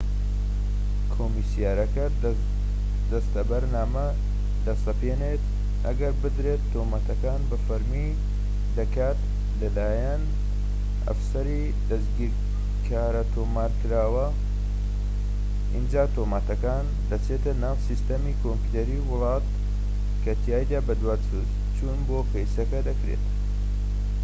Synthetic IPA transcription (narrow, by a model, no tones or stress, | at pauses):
kʰomisijaːɾɐkɐ | d̪ɐst̪ɐbɐɾnaːmɐ | d̪ɐst̪ɐpeneːt̪̚ | ʔɐ̰ɡɐɾbɨd̪ɾet̪ʰːomaːt̪ʰɐkaːnbɐfɐɾmiː | d̪ɐkaːt̪ | lɐlaːjɐn | ɐ̰fsɐɾi | d̪ɐsɡiːɾ | kʰaːɾɐt̪ʰoːmaːɾkɨɾaːwɐ | ʔḭnd͡ʒaːt̪omaːt̪ɐkaːnd̪ɐt͡ʃʰet̪ɐnaːwsist̪ɐmiːkʰompu̥t̪eɾiwʊlˠɑːt̪ | kʰɐt̪ʰijaːjd̪aːbɐd̪waːt͡sʰuz | t͡ʃʰuːnboːpɐjsɐkɐd̪ɐkɾḛt̪